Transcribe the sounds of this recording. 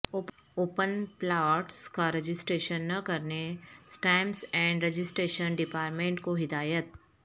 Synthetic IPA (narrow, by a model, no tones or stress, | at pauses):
oːp | oːpənplaːʈskaɾɐd͡ʒɪsʈɾeːʃənːɐkɐɾnesʈɛ̃ːmsɛ̃ːɳɖɾed͡ʒɪsʈɾeːʃənɖɪpaːɾʈmẽːɳʈkoɦɪd̪aːjət̪̚